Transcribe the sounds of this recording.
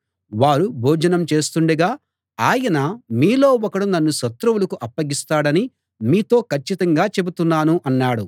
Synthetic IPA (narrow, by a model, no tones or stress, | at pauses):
ʋaːɾubʱɔːd͡ʒɐnɐmt͡ʃe̞ːst̪uɳɖɐɡaː | aːjɐnɐmiːlo̞ːɔkɐɽunɐnːuʃɐt̪ɾɐwulɐkuʔɐpːɐɡist̪aːɽɐni | miːt̪o̞ːkʰɐt͡ʃːit̪ɐŋɡaːt͡ʃe̞but̪unːaːnuʔɐnːaːɽu